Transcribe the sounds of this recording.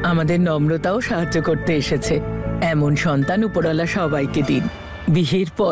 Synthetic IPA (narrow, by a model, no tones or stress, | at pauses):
amad̪eɾnɔmɾot̪aoʃaɦad͡ʑːokoɾt̪eeʃet͡ɕʰeɛmonʃɔnt̪anupoɾɔlaʃɔbajked̪in | biɦiɾpɔ